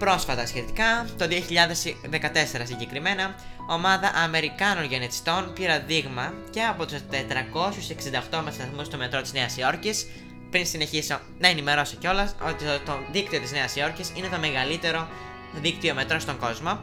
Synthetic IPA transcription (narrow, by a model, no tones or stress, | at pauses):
pɾo̞sfɐt̪ɐsçe̞t̪ikɐt̪o̞ðio̞çiʎɐðesðe̞kɐt̪e̞se̞ɾɐsiɲɟe̞kɾime̞nɐo̞mɐðɐʔɐme̞ɾikɐno̞nʝe̞net̪i̥st̪o̞npiɾɐðiɣmɐce̞ɐpo̞t̪ust̪e̞t̪ɾɐko̞sjuse̞ksind̪ɐoxt̪o̞mɐt̪st̪ɐθmust̪ome̞t̪ɾo̞t̪izne̞ɐsio̞ɾcis | pɾinsine̞çiso | nɐenime̞ɾo̞siceo̞lɐot̪it̪oðikt̪iot̪izne̞ɐsio̞ɾcisine̞t̪o̞me̞ɣɐlit̪e̞ɾo̞ | ðik̚t̪io̞me̞t̪ɾo̞st̪o̞ŋɡo̞zmo̞